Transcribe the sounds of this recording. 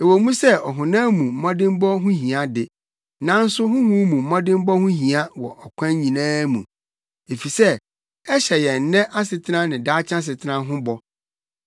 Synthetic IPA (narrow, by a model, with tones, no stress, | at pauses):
e˨wo˨mũ˦sɛ˦ɔ˨ɦʊ̃˨nãː˦mũ˨m̩˨˦ã˦dɪ̃˦m˦bɔ˦ɦʊ̃˦ɦĩ˨a˦dɪ˨ | nã˦n̩˦sʊ˦ɦʊ̃˦hʊ̃˦mũ˨m̩˦mã˦dɪ̃˦m˦bɔ˦hʊ̃˦ɦĩ˨a˦wɔ˨ʔɔ˨kʷʰã˦ɲĩ˨nãː˦mũ˨ | e˨fi˨sɛ˦ | ɛ˦ɕɛ˨jɛ˨n̩˨nɛ̃˦ʔa˦sɪ˨tʰɪ˦nã˦nɪ̃˨daː˦t͡ɕʰã˦s̬ɪ˨tʰɪ˦nã˦ɦʊ̃˦bɔ˦